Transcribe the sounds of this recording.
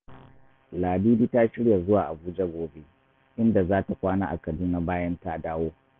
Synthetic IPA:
laː˨biː˦biː˦ta˦ʃɪ˦ɽja˨zʊ˦waː˨ʔa˨buː˦d͡ʒa˦ɡʷoː˨be˦ | ʔɪ˦nda˨zaː˦ta˨kʷaː˦naː˦ʔa̰˨kɐ˨duː˦na˦baː˦jɐ˦nta˦daː˦woː˦

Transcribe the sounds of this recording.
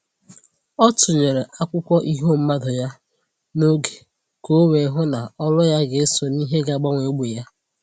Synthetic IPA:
ɔ˦tʊ˨ɲe˨ɾe˨ʔa˦kʷʊ˦kʷɔ˦ʔi˦ɦo˦˨m̩˦ma˦dʊ˨ja˦ | no˦ɡe̥˨ | ko˨˦we˨˦ɦʊ˦na˨ɔ˦lʊ˦ja˦ɡe˨˦sɔ˨ni˦ɦe˦ɡa˦ɡ͡ba˦ŋʷe˨˦ɡ͡be˨ja˦

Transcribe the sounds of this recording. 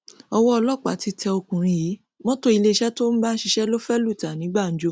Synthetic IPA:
ɔ˧wɔ˦ɔ˧lɔ˦˨k͡pa̰˨˦ti˧tɛ˧o˧kũ˨ɾ̃ĩ˧ji˨˦ | mɔ̃˦to˦i˧le˦i˧ʃɛ˦to˦n̩˦ba˦ʃi˧ʃɛ˦lo˦fɛ˦lu˦˨ta˨nĩ˨˦ɡ͡ba˦˨n̩˨˦d͡ʒo˧

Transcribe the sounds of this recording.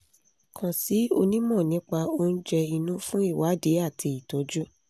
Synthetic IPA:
kʰã˨si˨˦o̰˧nĩ˦mɔ̃˦˨nĩ˨˦k͡pa˧o˦n̩˦d͡ʒɛ˧i˧nũ˦fũ˦i˦˨wa˨˦de˨˦a˦˨tʰi˧i˨tɔ˨˦d͡ʒu˦

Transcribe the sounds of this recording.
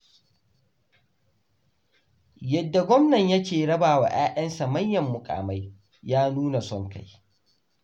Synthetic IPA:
jɐ˨dːa˨ɡʷɔ˦mnɐ˨ɲjɐ˦kʲeː˨ɽɐ˦baː˨wa̰˨ʔaː˦ʔɐ˦nsa˨mɐ˦ɲjːɐ˨mːʊ˨kʼa̰ː˨ma˦j | jaː˦nuː˦na˨sɔ˦ŋka̰˦j

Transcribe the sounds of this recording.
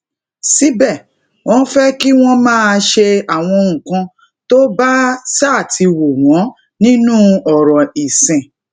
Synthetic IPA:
si˨˦bɛ˦˨ | w̃ɔ̃˧˦fɛ˦ki˦w̃ɔ̃˦mãː˦˨˧ʃe˧a˨w̃ɔ̃˧ũ˨kã˧ | to˦ba˦sa˦˨tʰi˧wo˨w̃ɔ̃˨˦ | nĩ˦nũ˦ɔ˨ɾɔ˨i˨sɛ̃˨

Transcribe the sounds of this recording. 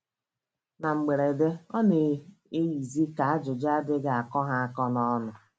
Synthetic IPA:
na˨ŋ͡m̩˨ɡ͡be˨ɾe˨de˦ɔ˦ne˨ | e˦ji˨zi˦ka˨a˦d͡ʒʊ˨d͡ʒa˦dɪ˦ɡa˨a˨kɔ˦ɦa˦a˦kɔ˦nɔ˦nʊ˨

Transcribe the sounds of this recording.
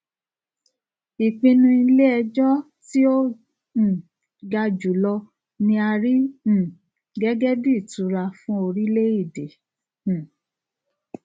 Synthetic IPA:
i˨k͡pĩ˧nũ˧˦i˧le˦ɛ˧d͡ʒɔ˦ | ti˦õ˦˨ | ɡa˧d͡ʒu˨lɔ˧ | nĩ˧a˧ɾĩ˦˨ | ɡɛ˦ɡɛ˦di˦˨tu˨˦ɾa˧fũ˦o˧ɾi˦le˦i˦˨dẽ˨

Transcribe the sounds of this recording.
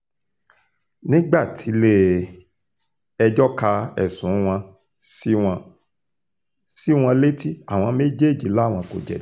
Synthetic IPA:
nĩ˦ɡ͡ba˦˨tʰi˨˦le˦ | ɛ˧d͡ʒɔ˦ka˧ɛ̰˨sũ˨˦w̃ɔ̃˧ | si˦w̃ɔ̃˧ | si˦w̃ɔ̃˧le˦ti˦a˦˨w̃ɔ̃˧me˦d͡ʒe˦˨d͡ʒi˨˦la˨˦˨w̃ɔ̃˧ko̰˨d͡ʒɛ̰˨˦

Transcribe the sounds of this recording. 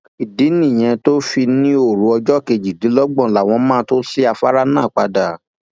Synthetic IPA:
i˨di˨˦nĩ˦˨j̃ɛ̃˧to˦fi˧nĩ˦o˦˨ɾũ˨˧ɔ˧d͡ʒɔ˦˨ke˧d͡ʒi˨di˨˦lɔ˦ɡ͡bɔ̃˦˨la˨w̃ɔ̃˧mãː˦to˦si˦a˧fa˦ɾa˦nãː˦˨k͡pa˧da˨

